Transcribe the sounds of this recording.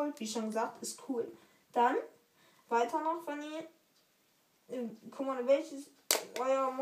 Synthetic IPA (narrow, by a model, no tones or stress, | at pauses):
ɔltv̥iːʃoːnɡəzaːk̚tɪstkʰuːl | d̥an | v̥aɪtʰɐnɔχv̥ɛniɐ | kʰʊkmanvɛlçəs | ʔɔʏɐm